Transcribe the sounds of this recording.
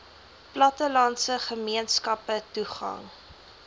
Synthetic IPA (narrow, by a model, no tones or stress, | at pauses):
plɐtəlɐntsəχəmiənskɐpətuχɐ̰ŋ